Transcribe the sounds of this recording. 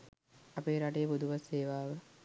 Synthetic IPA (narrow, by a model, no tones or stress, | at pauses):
apeːɾaʈejəpud̪ʱuʋaseːʋaːʋə